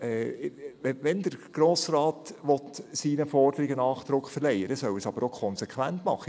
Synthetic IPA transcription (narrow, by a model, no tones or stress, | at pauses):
ɛ | ʋɛnd̥̪əɾɡ̥ɾoːsrɑːt̪ʋɔt̪siːnəfɔrd̥əɾɪɡənɑːχd̪̥ɾʊkχfəɾlɛjəɾəsœwəsɑb̥əɾokʰɔnsekʰʋæntmɑ̰χːə